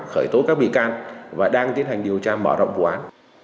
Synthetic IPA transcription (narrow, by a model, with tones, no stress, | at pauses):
xəː˧˩jt̪o˨˦kaː˦˥k̚ɓḭ˧˨kaː˧nvaː˨˩ɗaː˧ŋt̪i˨˦˥ən̚ha˨˩jŋ̟ɗi˨˩əwt͡ɕaː˧mɔ˧˩zɔ̰˧˨wŋ͡mvu˨˩ʔaː˨˦n